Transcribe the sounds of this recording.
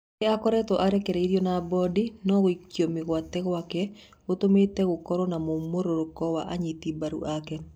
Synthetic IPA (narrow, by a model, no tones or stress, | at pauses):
ɪakɔɾɛt̪ɔʔaɾɛkeɾɛiɾjonabɔdinɔɣikjomɪɣwat̪ɛɣwakɛ | ot̪omet̪ɛɣʊkɔɾɔnamomoɾoɾokɔwaʔaɲit̪ibaɾṵʔakɛ